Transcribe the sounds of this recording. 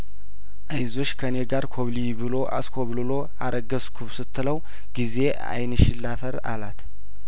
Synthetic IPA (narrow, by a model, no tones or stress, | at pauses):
ʔajzo̞t͡ʃːkʰəne̞ɡaɾkʰo̞βlibɨlo̞ʔa̰skʰo̞βlɨlo̞ | aɾʔəɡəskʰuβsɨt̪ʰːɨləw | ɡ̥ize̞ | a̰jnɨʃɪlːafəɾa̰lat̪